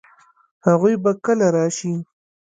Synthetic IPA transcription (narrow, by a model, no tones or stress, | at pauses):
haɣujbakəlaɾɑʃi